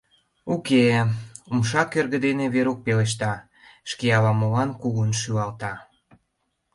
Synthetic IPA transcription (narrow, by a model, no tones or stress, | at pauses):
ukeumʃɑkːørɣə̆d̪eneβeɾok̚peleʃ̬t̪ɑ | ʃkejɑlɑmolɑnkuɣunʃyɑlt̪ɑ